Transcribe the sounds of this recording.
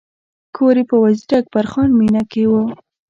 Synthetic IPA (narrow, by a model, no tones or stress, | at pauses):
kʰoɾepəwaziɾak̚paɾxɑnminakewə